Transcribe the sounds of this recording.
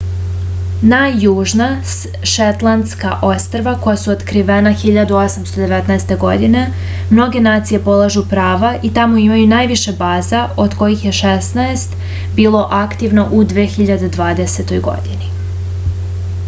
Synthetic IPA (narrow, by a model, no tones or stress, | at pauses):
najːuːʒna | ʃet̪lˠand̪ska̰ʔo̞st̪ɾaʋako̞jasuot̪kɾiʋenaxiʎad̪uo̞samst̪o̞d̪e̞ʋet̪naest̪e̞ɡo̞d̪ine̞ | mno̞ɡe̞naːt̪sije̞po̞lˠaʒupɾaːʋaʔit̪amoimajunaːjʋiʃebaːzao̞d̪ko̞jixje̞ʃest̪naest̪ | biːlˠo̞ʔakt̪iʋnoʔud̪ʋeːxiʎad̪ed̪ʋaːd̪ese̞t̪o̞jɡo̞̰d̪ini